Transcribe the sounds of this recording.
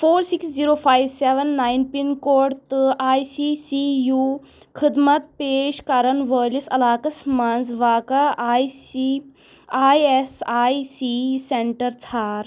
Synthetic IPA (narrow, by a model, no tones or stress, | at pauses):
foːɾsiksd͡ziɾoːfajʋseʋənːajnpinkoːɽt̪ɨʔajsisiju | kʰid̪mɐt̪̚peːʃkaɾɐnʋəːlisɐ̰laːkɐsmɐnd͡zʋaːkaʔajsi | ajesajsiseɳʈɐɾt͡sʰaːɾ